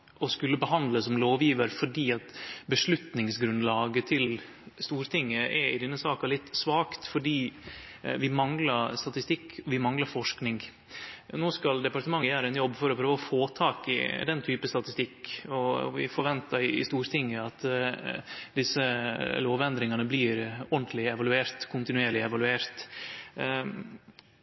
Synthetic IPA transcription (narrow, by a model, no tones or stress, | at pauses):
ɔskʉlːəbəɦɑnd̪ləsɔmloːʋjiːʋəɾfɔɖiːɑt̪bəʂɭʉt̪nɪŋsɡɾʉnd̪lɑːɡət̪ʰɪll | st̪uːɾt̪ʰɪŋːəʔɛɾɪd̪ɛnːəsɑːkəɭɪt̪ːsʋɑːkt̪fɔɖiː | ʋɪmɑŋləɾst̪ɑt̪ɪst̪ɪkʰːɔʋɪmɑŋləɾfɔʂknɪŋ | noːskɑld̪ɛpɑɾʈ̪əmɑŋːəjæːɾəɛnjɔbːfɔɾɔpʰɾøːʋəɔfoːt̪ʰɑːkɪ̰d̪ɛnt̪ʰyːpəst̪ɑt̪ɪst̪ɪkːɔʋɪ̰fɔɾʋɛnt̪əɾɪɪ̰st̪uːɾt̪ʰɪŋːəɑt̪ | d̪ɪsəloːʋɛnd̪ɾɪŋɑnəbliːɾɔnd̪lɪɛʋɑlʉeːɾt̪kʰʊnt̪ɪnʉeːɾɭɪɛʋɑlʉeːɾt̪